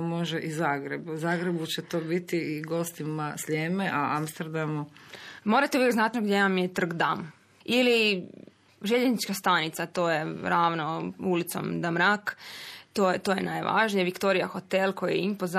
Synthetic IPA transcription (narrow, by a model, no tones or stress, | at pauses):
mo̞ʒeʔizaːɡɾebuzaːɡɾebut͡ɕet̪oːbit̪iiɡo̞st̪imasleːmeʔaamst̪eɾd̪amumo̞ːɾat̪euʋjeɡznat̪noɡd̪ʲjejamjet̪r̩ɡd̪am | ili | ʒeʎeznit͡ʃkast̪anit̪sat̪o̞ːjeɾaːʋnoulit̪so̰md̪amɾakt̪oːet̪ojḛna̰jʋʔa̰ʒnijeʋikt̪o̞ɾijaxot̪elˠko̞jeimpoz